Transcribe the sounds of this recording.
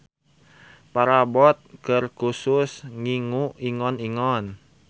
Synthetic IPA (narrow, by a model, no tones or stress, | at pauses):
paɾabɔt̪̚kərkusʊsŋiŋuiŋɔniŋɔn